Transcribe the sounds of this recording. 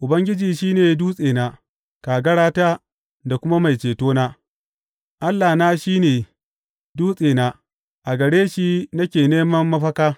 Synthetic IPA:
ʔʊ˨bɐ˦ŋɡʲɪ˦d͡ʒiː˨ʃiː˦neː˨duː˦sʼeː˨naː˦ | kaː˨ɡɐ˦ɽaː˦taː˦ | da˨kʷʊ˦ma˦ma˨jt͡ʃeː˨toː˦naː˦ | ʔa˦lːa˨naː˦ʃiː˦neː˨ | duː˦sʼeː˨na˦ | ʔa˨ɡɐ˨ɽeː˦ʃi˦nɐ˦kʲeː˨neː˦mɐ˦mːɐ˦ɸɐ˦kaː˦

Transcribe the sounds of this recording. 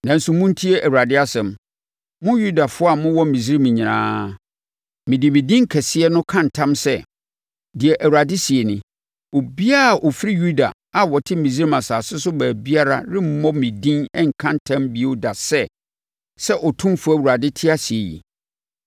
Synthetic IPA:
nã˨n̩˦sʊ˨mʊ̃˦n̩˦tʰi˦e˦ʔæ˨wu˨ɾa˨dɪ˦a˦sɛ̃˨m | mʊ̃˦ju˦da˨fʊ˦a˨mʊ̃˦wɔ˦mĩ˨zi˦ɾi˦mĩ˨ɲĩ˨ɾã̰ː˦ | mɪ̃˨dɪ˨mĩ˨dĩ˦ŋ˦kʰɛ˨sɪ˦ɛ˦nʊ̃˦kʰã˦n˨tʰã˦msɛ˦˨ | dɪ˨ɛ˨ʔæ˨wu˨ɾa˨dɪ˦si˨e˨nɪ̃˨ | o˨bi˦a˦˨ʔɔ˨fi˦ɾi˦ju˦da̰˨ | a˨wɔ˨tʰɪ˦mĩ˨zi˦ɾi˦mã˨saː˨sʊ˦sʊ˦bæː˨bi˦a˦ɾa̰˦ɾɪ˦m̩˦mɔ̃˦mĩ˨dĩ˦nɛ˦ŋ̩˨kʰã˦ntʰã˦mbi˨e˦da˨sɛ˦ | sɛ˦ʔɔ˨tʰũ˦mfu˦æ˦˨u˨ɾa˨dɪ˦tʰɪ˦a˦si˨e˨jḭ˨

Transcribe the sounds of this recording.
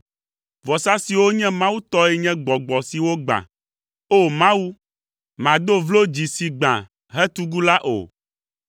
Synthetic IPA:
vɔ˨sa˦si˨wo˦ɲɛ̃˦mã˦wu˦t̪ɔ˦ɛ˦ɲɛ̃˦ɡ͡bɔ˨ɡ͡bɔ˨si˨wo˦ɡ͡bã̰˨ | o˦mã˦wu˦ | mã˨d̪o˦vlo˦d͡ʑi˨si˨ɡ͡bã̰˨ | ɦɛ˦t̪u˦ɡu˦la˦ʔo̰˨

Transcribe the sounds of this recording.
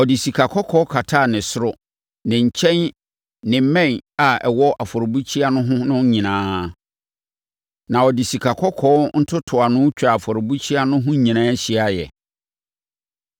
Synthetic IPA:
ɔ˨dɪ˨si˨kʰa˨kʰɔ˦kʰɔ˦kʰa˨tʰa˦˨nɪ̃˨sʊ˦ɾʊ˦ | nɪ̃˨ɲ̩˨t͡ɕʰɛ̃˦n | nɪ̃˨m̩˦mɛ̃˦˨na˨ɛ˨wɔ˦ʔa˨fɔ˨ɾbu˦t͡ɕʰi˦a˦nʊ̃˦ɦʊ̃˦nʊ̃˦ɲĩ˨nãː˦ | nã˨ɔ˨dɪ˨si˨kʰa˨kʰɔ˦kʰɔː˦n̩˦tʰʊ˦tʰʊ˨a˨nʊ̃˦t͡ɕᶣa˨a˨fɔ˨ɾʊ˨bu˦t͡ɕʰi˦a˦nʊ̃˦ɦʊ̃˦ɲĩ˨nãː˦ɕi˦a˦jɛ̰˨

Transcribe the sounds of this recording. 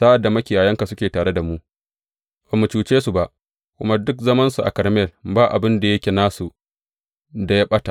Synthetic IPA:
saː˦ʔa˨dːa˨mɐ˦kʲɪ˨jaː˨jɐ˦ŋka˨sʊ˦kʲeː˨taː˨ɽe˦da˨mu˦ʔ | b̥a˨mːu˨t͡ʃuː˨t͡ʃeː˦su˨ba˨ʔ | kʷʊ˦ma˦dʊ˦kzɐ˦mɐ˦nsu˨ʔa̰˨kɐ˨ɾmɛ˦˨lbaː˦ʔa̰˨bɪ˦nda˨jɐ˦kʲe˨naː˦su˨ | da˨jaː˦ɓɐ˦ta˨ʔ

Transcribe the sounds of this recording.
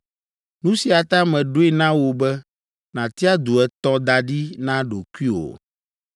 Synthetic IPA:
nũ˦si˨a˨t̪a˦mɛ̃˨ɖo˦e˦nã˦wo˨bɛ˦ | nã˨t̪i˦a˦d̪u˨ɛ˨t̪ɔ̃˦d̪a˨ɖi˦nã˦ɖo˨ku˦i˦o̰˨

